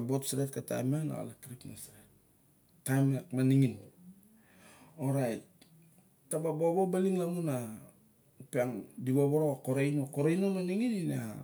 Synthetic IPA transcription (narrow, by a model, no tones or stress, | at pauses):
abotsɾet̚kata̰jmana̰a̰lakɾipnasɾet | tajmekmaniŋin | oɾajt̚ː | ababobobaliŋlamuna | peaŋdiboboɾoakoɾejnoakoɾejnomaniŋinina